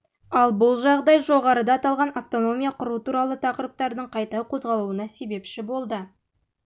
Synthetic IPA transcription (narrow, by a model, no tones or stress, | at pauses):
ɑlˠbʊlˠʒɑʁd̪ɑjʒo̞ʁɑɾəd̪ɑːt̪ɑlˠʁɑnʔaft̪o̞no̞mijɑqʰʊɾuət̪uɾɑlˠət̪ʰɑqəɾəp̚t̪ɑɾd̪əɴqʰɑjt̪ɑqʰo̞zʁɑlˠuənɑse̞be̞pʃɪbo̞lˠd̪ə